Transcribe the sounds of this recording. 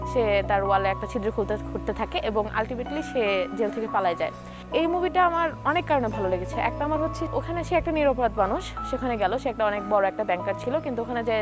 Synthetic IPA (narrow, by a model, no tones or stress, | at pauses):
ʃet̪aɾualeɛk̚ʈat͡ɕʰid̪ɾokʰult̪ekoɾt̪et̪ʰakeʔeboŋʔa̰lʈimeʈliʃed͡ʑelt̪ʰekepalaed͡ʑae | ejmubiʈaamaɾɔnekːaɾonebʱaloleɡet͡ɕʰeʔɛ̰k̚ʈaamaɾɦotːɕʰeokʰaneʃeɛk̚ʈaniɾɔpoɾad̪manuʃʃekʰaneɡɛloʃeɛk̚ʈaɔnek̚bɔɾoɛk̚ʈabɛŋkaɾ̚t͡ɕʰilokint̪uokʰaned͡ʑe